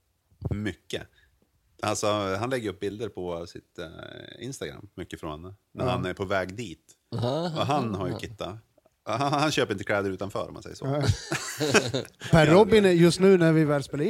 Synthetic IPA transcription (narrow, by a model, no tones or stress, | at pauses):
mʏkːə | alsɔɦanlɛɡəjɵp̚bɪld̪əɾpʰɔsɪ̰t̪ɪ̰nst̪aɡɾa̰mːʏkːəfɾɔ̰nnənæɾhanæɾpʰɔvɛːɡd̪iːt̪ | ɔɦanhaɾjɵkʰɪt̪ːa | hhanɕøːpəɾɪnt̪əkʰlɛːd̪əɾʉ̟ːt̪anfœ̰ːɾɔ̰ma̰nsɛ̰jːəʂo̰ | pʰæːɔbːɪnjɵst̪nʉ̟ːnæɾvɪvɛːlspeːlaɪ